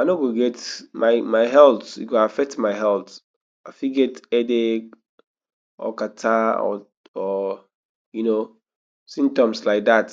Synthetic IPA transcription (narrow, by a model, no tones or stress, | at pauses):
aɪnoɡoɡɛtmaɪmaɪɦɛlθḭɡoafɛk̚tmaɪɦɛlt | aɪfiɡɛtɛdek | ɔ̰katʰaɔ̰ | ɔ | juno | sĩm̚tɔ̃mslaɪk̚dat